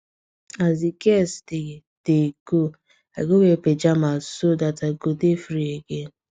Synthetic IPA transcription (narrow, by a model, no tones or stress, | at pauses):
azikɛstɪ | deɡo | aɡoweped͡ʒamasodataɡodefɾieɡe